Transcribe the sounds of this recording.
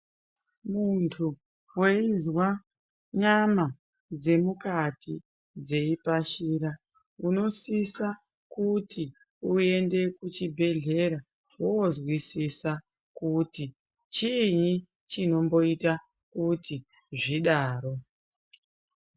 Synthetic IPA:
muntʰu | we̞izwa | ɲama | d͡ze̞mukatʰi | d͡ze̞ipaʃiːɾa | uno̞sisa | kuti | ue̞nde̞kut͡ʃibʱe̞ɮe̞ɾa | wozwisisa | kuti | t͡ʃiɲi | t͡ʃino̞mbo̞ita | kuti | ʐiɗaːɾo̞

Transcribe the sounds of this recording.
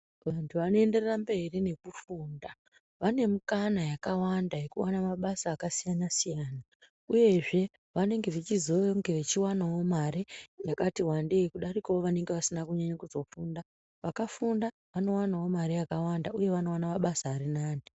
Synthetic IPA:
ʋantʰuʋano̞ende̞rerambe̞rine̞kufuːnda | ʋane̞mukanajakawandaje̞kuwanamaɓasaːkasijanasijaːna | uje̞ʐe̞ | ʋane̞ŋɡe̞ʋet͡ʃizoŋɡeʋet͡ʃiwanawo̞maɾinakatiwande̞ikuɗarikawoʋane̞ŋɡe̞ʋasinakuɲaɲakuzo̞funda | ʋakafunda | ʋano̞wanawo̞maɾijakawandauje̞ʋano̞wanamaɓasaːɾinaːni

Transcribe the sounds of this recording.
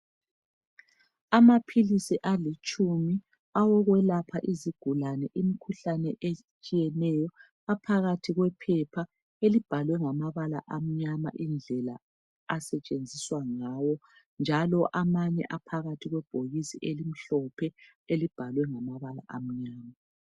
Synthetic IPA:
amapʰilisiʔalit͡ʃʼumi | awɔɣwɛlapʰaʔiziɡ̥ʱulanɛʔimikʰuɬanɛʔe | t͡ʃʼijɛnɛjɔ | apʰaɣatʰiɣwɛpʰɛpʰa | elib̥ʱalwɛŋamaβala̰ʔam̩ɲama̰ʔind͡ɮʱɛla | asɛt͡ʃʼend͡zʱiswaŋawɔ | nd͡ʒʱalɔʔamaɲɛ̰ʔapʰaɣatʰiɣwɛb̥ʱoɣisiʔelim̩ɬɔpʰɛ | elib̥ʱalwɛŋamaβala̰ʔam̩ɲaːma

